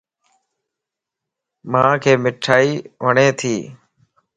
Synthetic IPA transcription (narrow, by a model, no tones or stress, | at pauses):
mãːkʰeːmɪʈʰaːiːʋəɳẽːt̪ʰiː